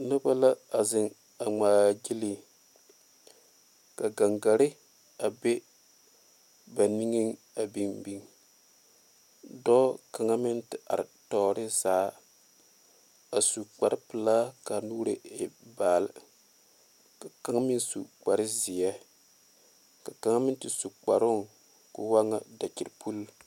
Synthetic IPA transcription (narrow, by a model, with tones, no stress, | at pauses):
nʊ˦ba˦la˦a˨zɪ˨ŋ | a˨ŋ͡maː˨d͡ʒi˦li˨ | ka˨ɡa˨ŋɡa˨ɾɪ˦ | a˨be˦ | ba˨ni˦ŋi˦ŋ | a˨bi˦ŋbi˦ŋ | dɔː˦ka˨ŋa˦mɪ˦ntɪ˨ʔa̰˨ɾɪ̰˨tɔː˨˦ɾɪ˦zaː˨˦ | a˨su˨k͡pa˨ɾɪ˦pɨ˨la˦ka˨nuː˦ɾe˨e˨baː˨l | ka˨ka˦ŋa˦mi˦nsu˨k͡pa˨ɾɪ˦zɪ˨jɛ˦ | ka˨ka˨ŋa˦mɪ˦n˦tɪ˨su˨k͡pa˨ɾʊ˦ŋ | ku˨wa˦ŋa˨da˨ki˨ɾpʰu˦l